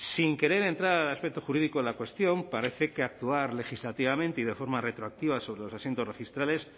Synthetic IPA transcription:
siŋke̞ɾe̞ɾe̞nt̪ɾaɾalaspe̞k̚t̪oxuɾiðikoelakwe̞st̪jo̞mpaɾe̞θe̞keak̚t̪uaɾle̞xizlat̪iβamẽnt̪eiðe̞fo̞ɾmare̞t̪ɾoak̚t̪iβ̞aso̞βɾe̞lo̞sasjent̪o̞zre̞xist̪ɾale̞s

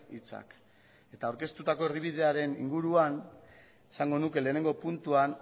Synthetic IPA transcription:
it͡sa̰k | e̞t̪aːwɾke̞st̪ut̪ako̞eriβ̞ið̞e̞aɾe̞nḭŋɡuɾuan | esaŋɡo̞nuke̞le̞ːne̞ŋɡo̞punt̪uan

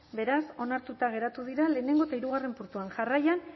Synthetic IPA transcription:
be̞ɾaso̞naɾt̪ut̪aɣ̞e̞ɾat̪uðiɾale̞ːne̞ŋɡo̞et̪aiɾuɣ̞are̞mpuɾt̪uanʝarajan

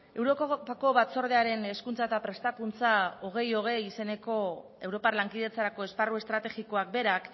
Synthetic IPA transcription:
e̞wɾoako̞βat͡so̞ɾð̞e̞aɾe̞ne̞skunt͡saet̪apɾe̞st̪akunt͡sao̞ɣ̞e̞jo̞ɣ̞e̞jise̞ne̞ko̞ | e̞wɾo̞palaŋkiðe̞t͡saɾako̞e̞sparue̞st̪ɾat̪e̞ɣiko̞ak̚be̞ɾak

